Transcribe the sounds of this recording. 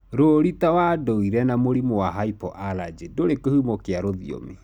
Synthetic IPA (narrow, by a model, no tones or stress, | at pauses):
ɾoɾitawadoiɾɛnamoɾimoaɦaipɔʔalad͡ʒedoɾekohumɔkeaɾoðḭo̰me